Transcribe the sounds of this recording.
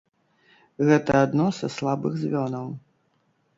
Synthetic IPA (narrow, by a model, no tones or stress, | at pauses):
ɣɛt̪ɐad̪nɔsɐslˠabɨɣzʲvʲɔnɐw